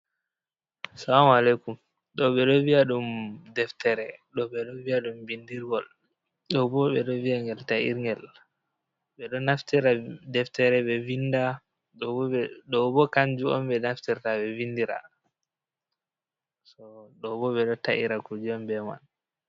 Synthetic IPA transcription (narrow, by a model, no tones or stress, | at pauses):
salamalekum | ɗɔɓɛɗɔviaɗumdɛftɛɾɛɗɔɓɛɗɔviaɗumbindiɾɡɔl | ɗɔbɔɓɛɗɔviaŋɡɛltaʔḭɾŋɡɛl | ɓɛɗɔnaftiɾadɛftɛɾɛɓɛvinda | ɗɔɛɗɔbɔkaɲd͡ʒuɔ̰mbɛnaftiɾtaɓɛvindiɾa̰ | sɔɗɔbɔɓɛɗɔtaʔiɾakud͡ʒuɔmbɛma̰n